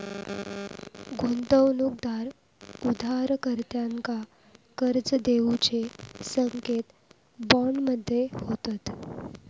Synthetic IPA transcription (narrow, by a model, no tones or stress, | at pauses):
ɡʱont̪əwnuk̚d̪aɾ | ud̪ʱaɾkəɾt̪jaŋka | kəɾd͡zəd̪eut͡ɕesəŋket̪ | bɔɳɖməd̪ʱːjehot̪at̪